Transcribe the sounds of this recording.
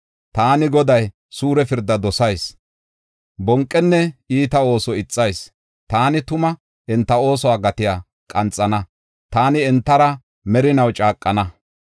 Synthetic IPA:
t̪aːnɪɡɔd̪ɐj | suːɾɛfɪɾd̪ːɐd̪ɔsɐjs | bɔŋkʼːɛnːɛiːt̪ɐo̞ːsɔɪt͡sʼːɐjs | t̪aːnɪt̪ʊmɐ | ɛnt̪ːɐo̞ːs̬ɔwaːɡɐt̪ɪjaː | kʼɐnt͡sʼːɐnɐ | t̪aːnɪɛnt̪ːɐɾɐ | mɛɾɪnɐwt͡ʃʼaːkʼːɐnɐ

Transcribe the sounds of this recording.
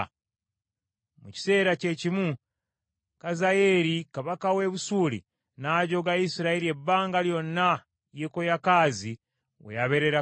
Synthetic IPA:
muci̥se̞ːɾace̞cimu | kazaje̞ɾikaβakawe̞βusuːlḭ | naːɟo̞ɡaisiɾaelie̞bːaːŋɡaljo̞nːa | jeko̞jakaːzi | wḛjaβe̞ɾe̞ɾa

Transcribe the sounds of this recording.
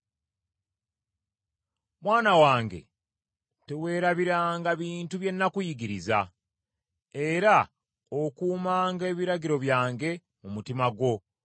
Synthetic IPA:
mwaːnawaːŋɡe̞̰ | te̞we̞ːɾaβiɾaːŋɡaβiːntuβje̞nːakujiɡiɾiza̰ | e̞ɾa | okuːmaːŋɡe̞ːβiɾaɡiɾo̞βjaːŋɡe̞ | mumutimaɡwo̞

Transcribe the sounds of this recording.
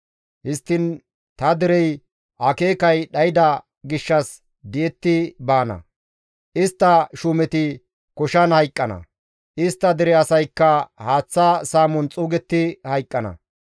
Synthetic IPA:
hɪst̪ːɪn | t̪ɐd̪ɪɾɛj | ʔɐke̞ːkɐjɗɐjɪd̪ɐ | ɡɪʃːɐs | d̪ɪjɛt̪ːɪbaːnɐ̰ | ʔɪst̪ːɐʃʊmɛt̪ɪ | kɔʃɐnhɐjkʼːɐnɐ̰ | ʔɪst̪ːɐd̪ɪɾɛɐsɐjkːɐhaːt͡sːasaːmɔnt͡sʼuːɡɛt̪ːɪhɐjkʼːɐnɐ̰

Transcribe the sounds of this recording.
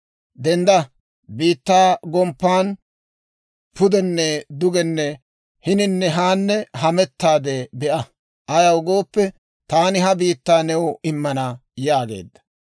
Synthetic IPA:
d̪ɛnd̪ɐ | biːt̪ːaːɡɔmpːaːn | pʊd̪ɛnːɛd̪ʊɡɛnːɛ | hɪnɪnːɛɦaːnːɛɦɐmɛt̪ːaːd̪ɛbɛʔɐ | ʔɐjɐwʊɡo̞ːpːɛ | t̪aːnɪɦɐbiːt̪ːaːnɛwʊɪmːɐnɐjaːɡḛːd̪ːɐ̥

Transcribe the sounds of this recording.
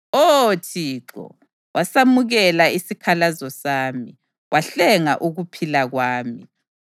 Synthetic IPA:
otʰiːǃɔ̰ | wasamuɣɛlaisikʰalazɔsaːmi | wʔaɬɛŋa̰ʔuɣupʰilaɣwaːmi

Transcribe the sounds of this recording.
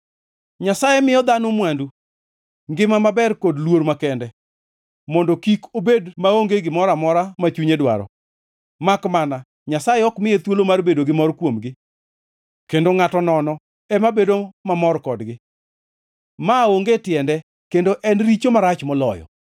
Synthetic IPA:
ɲasajɛmɪjɔd̪anomwandu | ŋɡɪmamabɛrkodlwoɾmakɛndɛ | mɔndokikobedmaoŋɡeɡɪmɔɾamɔɾamat͡ʃuɲedwa̰ɾɔ̰ | makmana | ɲasajɛɔkmɪet̪wolomarbedoɡɪmɔrkwomɡɪ | kendoŋatɔnɔnɔ | ɛmabedomamɔrkɔdɡɪ | maoŋɡetɪɛndɛ | kendoʔɛnɾit͡ʃomaɾat͡ʃmɔlɔjɔ̰

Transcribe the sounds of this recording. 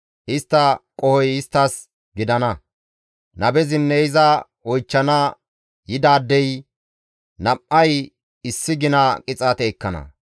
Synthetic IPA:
ʔɪst̪ːɐkʼɔhɔjɪst̪ːɐs | ɡɪd̪ɐnɐ | nɐbɛzɪnːɛɪzɐ | ɔjt͡ʃːɐnɐ | jɪd̪aːd̪ːɛj | nɐpʔɐj | ɪsːɪɡɪnɐkʼɪt͡sʼɐt̪eːkːɐnɐ̰

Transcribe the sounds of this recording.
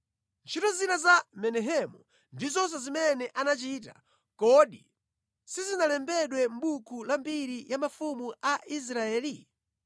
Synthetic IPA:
nt͡ʃʰitɔzinazamɛnɛɦɛmu | ndizɔns̬ɔzimɛnɛʔanat͡ʃiːta̰ | kɔɗḭ | sizinalɛmbɛɗwɛm̩ɓukʰulambiɾijamafumuaʔis̬ɾaɛːli

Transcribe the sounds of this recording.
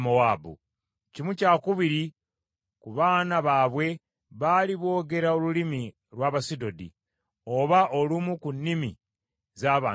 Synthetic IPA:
moaːbṵ | cimucaːkuβiɾi | kuβaːnaβaːβwe̞ | βaːliβo̞ːɡe̞ɾaolulimi | ɾwaːβasido̞dḭ | o̞βaʔo̞lumukunːimḭ | zaːβaː

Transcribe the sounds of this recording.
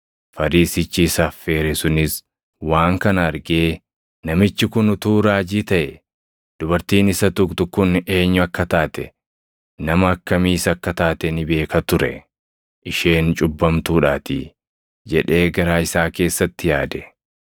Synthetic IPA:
fɐɾiːsɪt͡ʃːiːsɐfːeːɾɛsʊnɪs | waːŋkɐnɐɐɾɡe̞ː | nɐmɪt͡ʃːɪkʊnʊt̪uːɾaːd͡ʒiːt̪ɐʔɛ | d̪̥ʊbɐɾt̪iːnɪsɐt̪ʊkt̪ʊkʊne̞ːɲːʊɐkːɐt̪aːt̪ɛ̰ | nɐmɐːkːɐmiːsɐɐkːɐt̪aːt̪ɛnɪbe̞ːkɐt̪ʊɾɛ̰ | ʔɪʃe̞ːnt͡ʃʼʊbːɐmt̪uːᶑaːt̪ɪ̰ | d͡ʒɛᶑe̞ːɡɐɾaːɪsaːke̞ːsːɐt̪ːɪjaːd̪ɛ

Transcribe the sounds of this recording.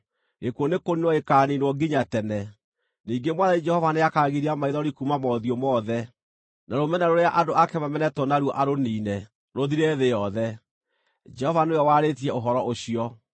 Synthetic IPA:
ɣekwonekoninwɔekaːninwɔɡiɲatɛnɛ | niːɡemwanðaid͡ʒɛhɔvaneakaːɣiɾiamaiðɔɾikumamɔðiɔmɔðɛ | naɾomɛnaɾoɾeaʔadoakɛmamɛnɛtɔnaɾwɔʔaɾoniːnɛ | ɾoðiɾɛðejɔðɛ | d͡ʒɛhɔvanojɔwaɾetiɛoɦɔɾɔʔoɕiɔ

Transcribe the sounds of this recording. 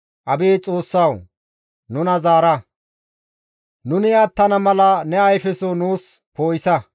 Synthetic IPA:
ʔɐbeːt͡sʼo̞ːsːɐw | nʊnɐzaːɾɐ | nʊnɪjat̪ːɐnɐmɐlɐnɛɐjfɛsɔnuːs | poːjɪsɐ

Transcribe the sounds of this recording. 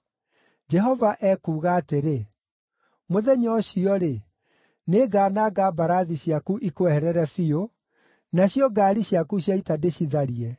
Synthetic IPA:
d͡ʒɛɦɔvaʔɛːkuːɣaːteɾe | moðɛɲɔɕiɔɾe | neɡaːnaːɡabaɾaðiɕjakuʔikoɛhɛɾɛɾɛfio | naɕjɔɡaːɾiɕjakuɕjaitadeɕiðaɾiɛ

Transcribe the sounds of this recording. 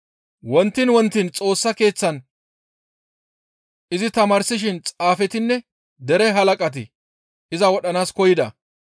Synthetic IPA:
wɔnt̪ːɪnwɔnt̪ːɪnt͡sʼo̞ːsːɐke̞ːt͡sːɐn | ʔɪzɪt̪ɐmaːɾsɪʃ̬ɪnt͡sʼaːfɛt̪ɪnːɛ | d̪ɛɾɛɦɐlɐkʼɐt̪̬ɪ̰ | ʔɪzɐwɔɗɐnaːskɔjɪd̪ɐ̰

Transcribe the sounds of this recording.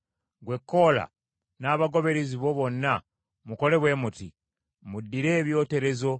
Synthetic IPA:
ɡwe̞kʰːo̞ːla̰ | naːβaɡo̞βe̞ɾeziβo̞βo̞nːa | muko̞le̞βwe̞ːmuti | mudːiɾe̞ːβjo̞ːte̞ɾe̞zo̞

